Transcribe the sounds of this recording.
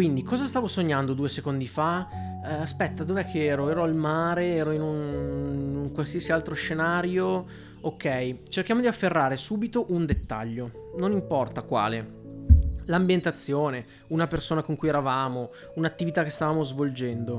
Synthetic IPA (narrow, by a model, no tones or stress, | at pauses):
kwind̪ikɔːzast̪aːvosoɲːand̪od̪uːesekond̪ifa | aspɛt̪ːad̪ovɛkʰːeɛːɾoɛːɾoalmaːɾeɛːɾoinun | uŋkwalsiasialt̪ɾoʃenaːɾjo | okːɛjt͡ʃerkjaːmod̪iafːerːaːɾesuːbit̪oʔund̪et̪ːa̰ʎːononimpɔrt̪akwa̰ːle | lambjent̪at̪sːjoːne | unapersoːnakoŋkujɛɾavaːmo | unat̪ːivit̪akːest̪avaːmozvold͡ʒɛnd̪o